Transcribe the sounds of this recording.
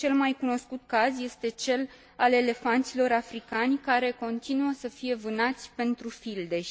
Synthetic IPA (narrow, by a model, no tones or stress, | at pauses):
t͡ʃe̞lmajkuno̞skut̪kazje̞st̪e̞t͡ʃe̞l | ale̞le̞fant̪silo̞ɾafɾikanʲkaɾe̞ko̞nt̪inuəsəfije̞vɨnat̪sʲpe̞nt̪ɾufild̪e̞